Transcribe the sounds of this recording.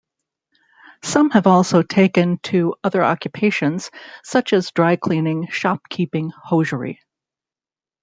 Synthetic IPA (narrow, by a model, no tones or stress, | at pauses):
sʌ̃mɨvɔlˠsoʊtʰeɪkɨ̃ntʰɨʌðə˞ʔɑ̰kjɨpʰeɪʃɨ̃nz̥sʌt͡ʃɨzdɹaɪkʰl̥ĩnɪ̃ŋʃɑp̚kʰipɪ̃ŋhoʊʒə˞ḭ